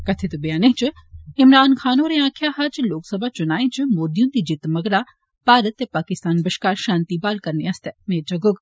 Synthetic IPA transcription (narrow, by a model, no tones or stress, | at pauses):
kɐt̪ʰet̪ubijaːneɦt͡ʃɨ | ɪmɾaːnkʰaːnoːɾeãːkʰjaːɦaːd͡ʒloːksɐbʱat͡ʃʊnaːẽt͡ʃɨmoːɾd̪ijũt̪id͡ʒɪt̪mɐɡɾa | paːɾət̪ːepaːkɪst̪aːnbɐʃkaːɾʃãːnt̪ibaːlkɐɾneɐst̪emeːd͡ʒɐɡʊɡ